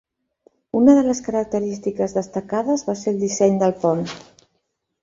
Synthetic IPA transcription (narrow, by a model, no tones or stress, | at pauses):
unəðələskəɾək̚t̪əɾist̪ikəzðəst̪əkaðəzβaseɾlˠd̪isɛɲd̪əlˠpɔn